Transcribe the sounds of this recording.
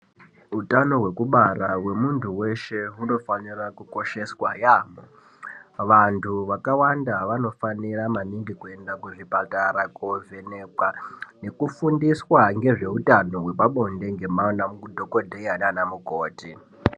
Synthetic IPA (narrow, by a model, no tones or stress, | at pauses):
utano̞ɦwe̞kuɓarawe̞muntuwe̞ʃe̞ɦuno̞fanirakuko̞ʃe̞swajaːmo | ʋantʰuʋakawandaʋano̞faniramaniŋɡikue̞ndakuʐipataɾakovʱe̞ne̞kwane̞kufundiswaŋɡe̞ʐe̞utano̞ɦwe̞ɓaɓo̞nde̞ŋɡe̞manamudʱoko̞dʱejananamukoːti